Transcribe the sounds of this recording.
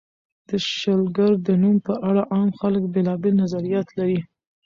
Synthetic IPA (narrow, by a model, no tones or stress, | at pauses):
d̪̥əʃəlɡaɾd̪ənumpəʔaɽaʔɑmxaləkbelɑbelnazaɾijɑt̪laɾi